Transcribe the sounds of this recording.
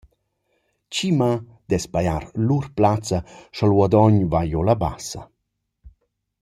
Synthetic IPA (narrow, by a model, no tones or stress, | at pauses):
t͡ʃima | d̪̥ɛspajaɾlurplat͡saʃɔlwɔd̪ɔɲvajolaba̰sɐ̰